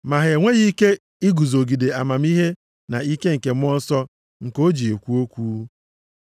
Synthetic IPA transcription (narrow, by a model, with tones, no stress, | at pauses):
ma˨ɦe˨ŋʷe˦ɣi˦ke˦ | i˦ɡu˨zo˨ɡi˨de˨a˨ma˨m˦i˦ɦe˦ | na˨i˦ke˦ŋ̩˨ke˨m̩˦ɔ˦n˦sɔ˦ | ŋ̩˨ko˦d͡ʒi˨e˨kʷu˦o˦kʷuː˦